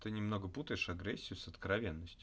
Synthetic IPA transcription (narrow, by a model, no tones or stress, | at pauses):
t̪ɨnʲɪmno̞ɡəput̪əjɪʂɐɡɾʲɛsʲːɪjʊsət̪kɾɐvʲenːəsʲtʲ